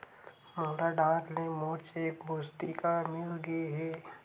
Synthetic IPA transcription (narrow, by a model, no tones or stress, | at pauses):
maːɾaɖaːɾlẽmoːt͡ʃeːkbʱust̪ikamɪlɡeɦɛː